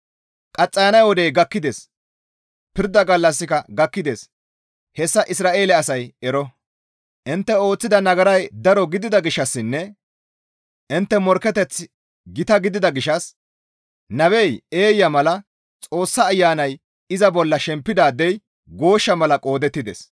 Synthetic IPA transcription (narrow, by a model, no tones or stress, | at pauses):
kʼɐt͡sʼːɐjɐnɐjwɔd̪ɛjɡɐkːɪd̪es | pɪɾd̪ɐɡɐlːɐsːɪkɐɡɐkːɪd̪eːs | hɛsːɐʔɪsɾaːʔe̞ːlɛɐsɐjɛɾɔ | ʔɪnt̪ːɛo̞ːt͡sːɪd̪ɐnɐɡɐɾɐjd̪ɐɾɔɡɪd̪ɪd̪ɐɡɪʃːɐsːɪnːɛ | ɪnt̪ːɛmɔɾkɛt̪ɛt͡sː | ɡɪt̪ɐɡɪd̪ɪd̪ɐɡɪʃɐs | nɐbɛje̞ːjːɐmɐlɐ | t͡sʼo̞ːsːɐːjːaːnɐj | ɪzɐbɔlːɐʃɛmpːɪd̪aːd̪ːɛj | ɡo̞ːʃːɐmɐlɐkʼo̞ːd̪ɛt̪ːɪd̪ɛ̰s